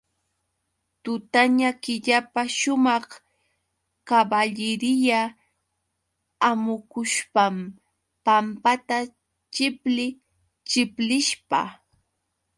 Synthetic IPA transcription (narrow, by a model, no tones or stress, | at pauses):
t̪ʊt̪aɲakɪʎapaʃʊmɑχ | kabaʎɪɾɪja | mʊkʊʃpam | pampat̪a | t͡ʃɪplɪ | t͡ʃɪplɪʃpa̰